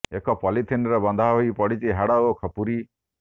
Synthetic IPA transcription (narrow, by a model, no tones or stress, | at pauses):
ekɔpɔlit̪ʰinɔɾebɔnd̪ʱaɦoipɔɽit͡ʃiɦaɽaokʰɔpuɾi